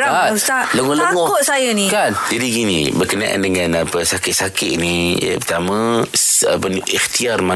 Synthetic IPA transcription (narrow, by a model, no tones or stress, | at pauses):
aasaʔləŋɔləaŋɔkʊʔ̪̚sajanikand͡ʒadikinḭbərkəna̰ʔa̰ndəŋanapəsakɪʔsakɪʔnḭpət̪amãsapənʔixt̪iarma